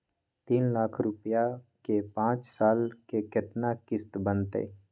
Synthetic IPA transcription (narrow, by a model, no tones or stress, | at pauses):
t̪iːnlaːkʰɾʊpjakepãːt͡ʃsaːlkeket̪nakɪst̪bənt̪ḛː